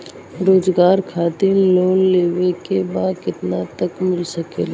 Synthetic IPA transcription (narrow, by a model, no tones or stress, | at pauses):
ɾoːd͡ʒɡaːɾkʰaːt̪ɪɾloːnleːʋekebaːd̪kɪt̪nat̪əkmɪlsəkeːl